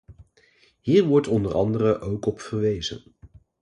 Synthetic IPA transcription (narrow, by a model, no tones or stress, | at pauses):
ɦiːɹʋɔɹtɔndəɾɑ̰ndəɾəʔowkɔpfəɹʋejz̥ə̰n